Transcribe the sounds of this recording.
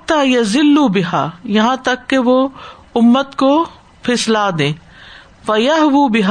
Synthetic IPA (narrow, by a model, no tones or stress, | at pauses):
t̪ːaːjɐzɪlːubɪɦaːjɐɦãt̪ɐkːeʋo | ʊmːət̪ko | fʰɪslaːd̪ẽː | fɐjɐɦʋuːbɪɦaː